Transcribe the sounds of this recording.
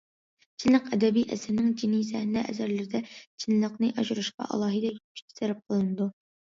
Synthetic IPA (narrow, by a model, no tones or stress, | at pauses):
t͡ʃʰinlˠəqɛd̪ɛbijʔɛ̰sɪɾnɪŋd͡ʒinijzɛhnɛʔɛ̰zæɾlɪɾɪd̪ɛt͡ʃʰinlˠəqnɨʔɑʒuɾɨʃqɑ̰ʔɑ̰lˠɑːɦɨd̪ɛjyi̥i̥sɛɾɛp̚qʰəlˠɨnɨd̪u